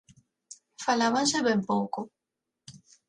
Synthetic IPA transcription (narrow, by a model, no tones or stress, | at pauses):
falaβanseβempoko